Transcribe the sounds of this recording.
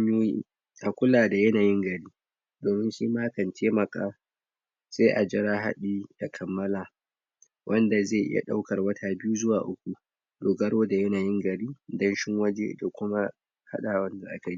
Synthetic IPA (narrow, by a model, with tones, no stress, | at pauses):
ɲjoː˦jḭ˦ | ʔa˨kʷʊ˦laː˨da˨jɐ˦naː˨jɪ˦ŋɡɐ˨ɾiː˦ | doː˨mɪ˦nʃiː˦maː˦kɐ˨ntʰeː˦mɐ˨kʼa̰ː˨ | seː˦ʔa˨d͡ʒɪ˦ɾaː˦ɦa̰˦ɗiː˦da˨kʰɐ˨mːɐ˦laː˨ | wʔɐ˦nda˨zeː˦˨ʔɪ̰˦ja̰˨ɗa˦wkɐ˨rwɐ˦tʰaː˨bɪ˦juː˦zʊ˦waː˨ʔʊ˦kʷu˨ | doː˨ɡɐ˦ɽoː˦da˨jɐ˦naː˨jɪ˦ŋɡɐ˨ɽiː˦dɐ˦nʃɪ˦ŋwɐ˦d͡ʒḛ˦da˨kʷʊ˦ma˦ | ha̰˦ɗaː˨wɐ˦nda˨ʔa˦ka˨ji˦